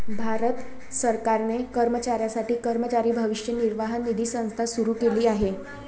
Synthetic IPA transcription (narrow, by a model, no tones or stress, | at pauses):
bʱaɾət̪ | səɾkaɾnekəɾmət͡ɕaɾjasaʈiːkəɾmət͡ɕaɾiːbʱəʋiʂjəniɾʋaɦanːid̪ʱiːsə̃w̃st̪ʰasuɾuːkeliːaɦe